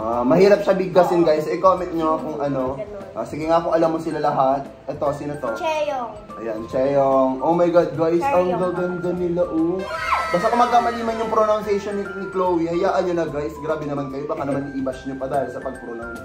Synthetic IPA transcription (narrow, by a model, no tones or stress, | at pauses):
amɐɦiːɾɐp̚ʃabɪɡ̚asɪnɡajsɪkomɛnt̪̚ɲoɐkʊŋʔɐno̞ʔa̰sɪɡɛŋaʔɐkoʔɐlamːosɪlalɐɦat̪̚ʔɛt̪o̞sɪnot̪o | ʔɐjant͡ʃɛjoŋʔowmɐjɡad̪̚ɡajsɐŋd̪ɐwɡɐnd̪ɐnɪlaʔobaːst̪ɐkomɐɡ̚kamɐliːmɐnjʊŋpɾonawnsɛjʃonːɪnɪklowihɐjaːʔɐnːolɐɡajsɡɾaːbɛnɐmankɐjobɐkanɐmanːɪʔibɐʃɲopɐd̪aːjɪlsɐpɐɡ̚pɾonaw